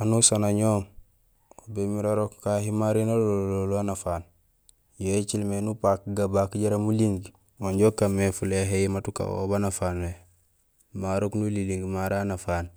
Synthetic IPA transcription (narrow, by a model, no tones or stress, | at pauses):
anusanaɲoːm | obemiɾaɾokːaɦimaɾinalololuanafaːn | jet͡ʃilmenupakɡabakɟaɾamuliŋɡ | waɲɟokamːefuleɦeimatuka̰o̰banafaːnwe | maɾoknuliliŋɡmaɾanafaːn